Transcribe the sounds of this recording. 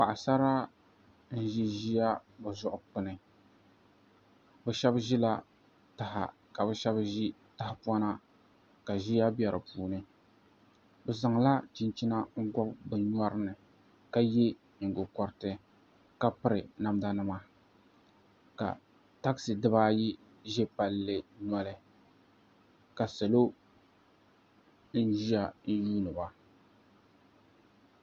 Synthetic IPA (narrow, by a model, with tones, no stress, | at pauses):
pa˨ʔa˨sa˦ɾa˦ | n̩˦ʒi˦ʒi˦ja˦bɨ˨zʊ˦ʔʊ˨k͡pɨ˨nɨ˨ | bɛ˨ʃɛ˦bʒi˦la˦ | ta˨ɦa̰˨ | ka˨bɨ˦ʃɛ˦bʒi˦ta˦hɪ˨pu˦a˦na˦ | ka˨ʒi˦ja˦bɛ˨ɾɨ˨puː˦˨nɨ˦ | bɨ˨za˨ŋ˨la˦t͡ʃi˦nt͡ʃi˦na˦ŋ̩˦ɡɔ˦bbɨ˨ɲ˦a˦ɾɨ˦nɨ˨ | ka˦je˦ | ɲɨ˨ŋɡʊ˨kɔ˨ɾɨ˦˨tɨ˨ | ka˦pɨ˦ɾɨ˨na˦mda˦nɨ˦ma˦ | ka̰˨ | ta˦ksɨ˨dɨ˦baː˦ji˦ | ʒe˦pa˨lːɨ˨nɔ˦lɨ˦ | ka˨sa˨lo˦ | n̩˦ʒi˦a˨n̩˦juː˦nɨ˨ba˨